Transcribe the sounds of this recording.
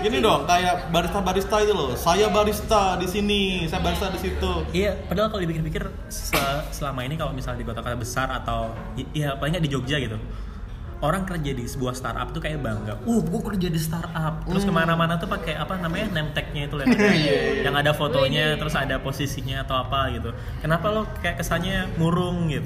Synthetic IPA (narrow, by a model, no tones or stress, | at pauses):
ɡinidɔŋkajabaɾist̪abaɾist̪ait̪ulɔsajabaɾist̪adisinisajabaɾist̪adisit̪uijapadalakalodipikɪrpikɪr | səsəlamainikalomisalɲadibot̪okajabəsarat̪aw | japalɪŋɡadid͡ʒoɡ̚d͡ʒaɡit̪u | oɾaŋkərd͡ʒadisəbuahst̪a̰ɾʔa̰p̚t̪ukajabaŋɡaʔɔhɡuakərd͡ʒadisət̪arap̚t̪əɾʊskəmanamanat̪upakeapanamaɲanɛmt̪ɛk̚ɲait̪ulojaajaŋadafot̪oɲat̪əɾʊsadaposisiɲaːt̪awapaɡit̪u | kənapalokajaʔkəsalɲamuɾʊŋɡit̪